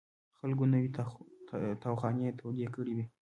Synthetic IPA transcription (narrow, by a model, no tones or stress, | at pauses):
xalɡonawit̪a | t̪awxɑnet̪ʰawɡekəɽiwi